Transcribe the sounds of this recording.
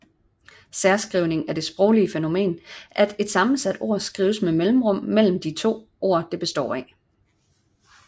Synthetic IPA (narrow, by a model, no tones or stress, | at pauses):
sæɐsɡ̥ʁiʊ̰ne̝ŋæɐd̥e̝sb̥ʁɔʊliəfeno̝me̝̰ːnʔæd̥e̝d̥sɑ̈mn̩sæd̥o̝̰ɐ̰sɡ̥ʁḭːʊsmemelm̩ʁɔ̽m̰ːel̰m̩d̥it͡sʰo̝̰ː | o̝ɐ̰d̥ɑb̥e̝sd̥ɒ̰ːi